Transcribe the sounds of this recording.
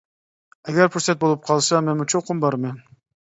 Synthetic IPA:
ɛɡʲɛɾpʰuɾsɛt̪̚bolˠup̚qʰɑlˠsɑmɛnmut͡ʃʰoqʰʊmbɑɾmɛn

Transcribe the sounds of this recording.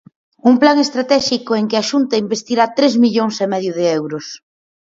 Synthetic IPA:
umplaŋest̪ɾat̪ɛʃikoeŋkɪaʃunt̪ɐimbest̪iɾat̪ɾezmiʎoŋsemɛðjʊðɪɛwɾʊs

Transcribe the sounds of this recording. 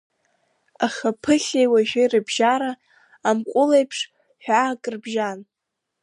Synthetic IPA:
aχʲapʰɨχʲejwaʒᶣejrɨbʒaɾaː | mkʷʼʊlejpʰʂ | ħᶣaːkʼrbʒan

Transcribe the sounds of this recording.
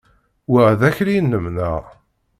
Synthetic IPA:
wəʁðæçɾinːəmnæʁ

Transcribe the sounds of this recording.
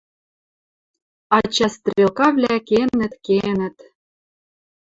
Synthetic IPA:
ɑt͡ɕɑst̪rʲelˠkɑvlʲækenɘ̆t̪kenɘ̆t̪

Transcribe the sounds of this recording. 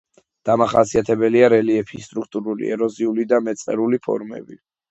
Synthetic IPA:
d̪̥amaχasiat̪ʰɛbɛliaɾɛliɛpʰist̪ʼɾukʰt̪ʼuɾulḭɛɾɔziulid̪amɛt̪sʼqʼɛ̰ɾulipʰɔ̰ɾmɛ̰bi

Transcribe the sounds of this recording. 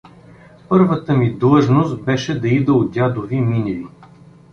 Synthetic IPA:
pɤɾvət̪əmid̪lˠɤʒnost̪bɛʃɛd̪ɐid̪əod̪ʲad̪oviminɛli

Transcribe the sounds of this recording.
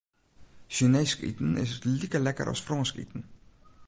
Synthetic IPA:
ʃyneskḭt̪n̩ɪ̰s̬ətlikəlækə̰ɾʔɑ̰sfrɑ̃nskḭt̪n̩

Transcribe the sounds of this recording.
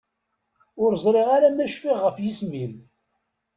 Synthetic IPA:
ʊɾzˤɾˤeʁaɾamæʃfiʁːəfjismin

